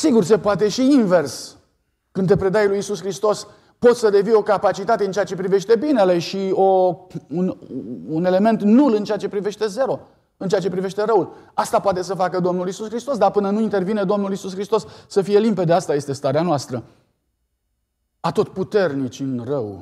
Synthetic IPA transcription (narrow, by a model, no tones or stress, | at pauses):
siɡurs̬e̞poat̪̬e̞ʃiinve̞rs | kɨnt̪̬e̞pɾe̞d̪ajlujisuskɾist̪o̞s | po̞t̪ssəd̪e̞vijo̞kapat͡ʃit̪at̪e̞ɨnt͡ʃeat͡ʃe̞pɾive̞ʃt̪e̞bine̞le̞ʃio̞unune̞le̞me̞nt̪nulɨnt͡ʃeat͡ʃe̞pɾive̞ʃt̪e̞ze̞ɾo̞ | ɨnt͡ʃeat͡ʃe̞pɾive̞ʃt̪e̞ɾəulast̪apoat̪e̞s̬əfakəd̪o̞mnulisuskɾist̪o̞sd̪apɨnənuint̪e̞rvined̪o̞mnulisuskɾist̪o̞sːəfije̞limpe̞d̪əast̪aje̞st̪e̞st̪aɾeanoast̪ɾə | at̪o̞t̪put̪e̞rnit͡ʃʲɨnrəw